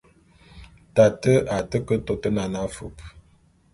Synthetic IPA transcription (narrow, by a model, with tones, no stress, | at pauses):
ta˨tə˦ʔa˨tə˦kə˦to˨tə˦na˨na˦fu˨p̚